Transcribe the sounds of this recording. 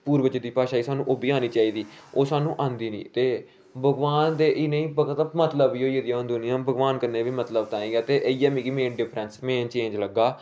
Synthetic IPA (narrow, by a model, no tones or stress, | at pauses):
puːɾbət͡ʃəd̪iːpaːʃaːiːsaːnũːʔoːbiːaːniːt͡ʃaːiːd̪iːoːsaːnũːʔãːnd̪iːnḭ̃ːt̪eː | bʱəɡʋaːnd̪eːʔɪnẽĩːbəɡt̪mət̪ləbiːɦoːiəd̪ɪjãːɦʊ̃nd̪ʊnɪjãːbʱəɡʋaːnkəɾneːʋiːmət̪ləbt̪ãːĩːɡɛːt̪eːʔəiːaːmĩːkimẽːnɖɪpʰɾənsmeːnt͡ʃẽːɲd͡ʒləɡːaː